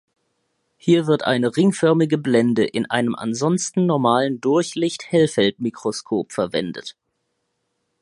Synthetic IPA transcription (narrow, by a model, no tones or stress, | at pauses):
hiːɐvɪɐtʔa̰ɪnəʁɪŋfœɐmɪɡəblɛndəʔɪnʔa̰ɪnəmʔa̰nzɔnstn̩nɔɐmaːləndʊɐçlɪçthɛlfɛltmikʁ̥oskʰoːpfɛɐvɛ̰ndə̰t